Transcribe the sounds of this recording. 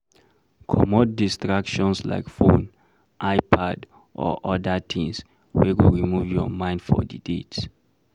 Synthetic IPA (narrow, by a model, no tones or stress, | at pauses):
kʰɔmɔdːistɹakʃɔ̃nsla̰ɪkfõn | ʔaɪpʰad | ʔɔ̰ʔɔdat̪ʰĩŋs | wɛwuɹimuvjɔ̰mãɪ̃nd̥fɔ̰didets